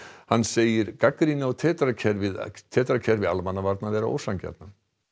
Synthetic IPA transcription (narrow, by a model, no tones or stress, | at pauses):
hanːseːjɪɾkakɾinawt̪ʰɛːt̪aɾacʰɛɾvɪðt̪ʰɛːt̪aɾacʰɛɾvɪa̰lmanːavaɾt̪navɛːɾao̰ːwsancɛ̰t̪na